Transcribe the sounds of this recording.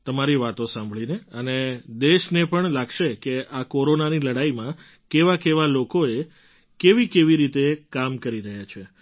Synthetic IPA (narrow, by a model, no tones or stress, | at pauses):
t̪əmaɾiʋat̪osãmbʱɭineəned̪eʃnepəɳlaɡʃekeakoɾonaniləɽaimã | keʋakeʋalokoe | keʋikeʋiɾit̪ekamkəɾiɾəɦjat͡ʃʰe